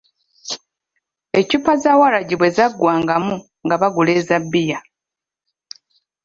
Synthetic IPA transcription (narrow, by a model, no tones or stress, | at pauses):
e̞cipazaːwalaɟiβwe̞zaɡːwaːŋɡamu | ŋɡaβaɡule̞ːzabːija